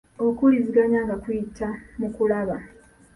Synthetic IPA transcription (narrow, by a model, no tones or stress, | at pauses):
okuliziɡaɲaːŋɡakujitʰːamukulaβa